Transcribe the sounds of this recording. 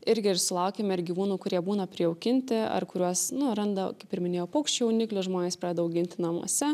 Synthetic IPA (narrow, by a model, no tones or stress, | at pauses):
ɪɾʲɡʲɪɪɾsʊlˠɐʊkʲeːmɐɪɾɡʲiːʋuːnuːkʊɾʲiɛbuːnɐpʲɾʲiːɛoʊkʲɪnʲt̪ʲɪɐ̰rkʊɾʲuɔsnʊɾɐnd̪ɐkɐɪpɪɾʲmʲɪnʲeːjɛʊpoːkʃʲt͡ʃʲjɛʊnʲɪklʲʊʒmoːnʲeːspɾɑːdʲɛd̪ɐɐʊɡʲɪnʲt̪ʲɪnɐmṵɔsʲɛ